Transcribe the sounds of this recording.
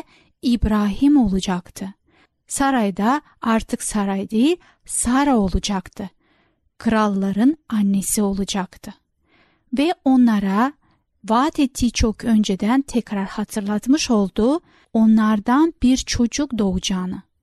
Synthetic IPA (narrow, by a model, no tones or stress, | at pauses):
ibɾaːɦimo̞lˠud͡ʒakt̪ʰɯ | saɾajd̪a | aɾt̪ʰɯksaɾajd̪e | saɾao̞lˠud͡ʒakt̪ʰɯ | kʰɯɾalˠːaɾɯnanːesio̞lˠud͡ʒakt̪ʰɯ | vɛo̞nlˠaɾa | vaːt̪ʰet̪ʰːiːt͡ʃʰo̞kʰø̞nd͡ʒed̪ænt̪ʰɛcɾaɾhat̪ʰɯɾlˠat̪mɯʃo̞lˠd̪u | o̞nlˠaɾd̪anbiɾt͡ʃʰo̞d͡ʒukd̪o̞ud͡ʒaːnɯ